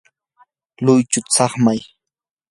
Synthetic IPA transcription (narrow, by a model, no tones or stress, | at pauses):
lʊjt͡ʃʊt͡sɑχmaj